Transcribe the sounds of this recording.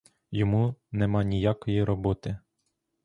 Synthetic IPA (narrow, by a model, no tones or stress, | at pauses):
jɔmunɛmɑnʲijakɔjiɾɔbɔt̪ɪ